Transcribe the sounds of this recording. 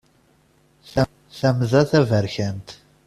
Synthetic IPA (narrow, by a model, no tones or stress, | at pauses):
θ | θæmðæθævæɾçænt̪